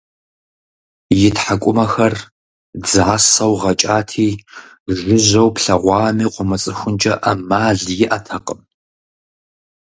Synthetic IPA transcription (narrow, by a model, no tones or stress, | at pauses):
jɪtħakʷʼʊmɐxɐr | d͡zʕasɐwʁɐt͡ʃʼaːtʰiː | ʒɨʑɐwpɬɐʁʷɑːmiːqʷʊmɨt͡sʼɨxʷʊnd͡ʒʼɐʔɐmaːɮjɪʔatʰɐqʼəm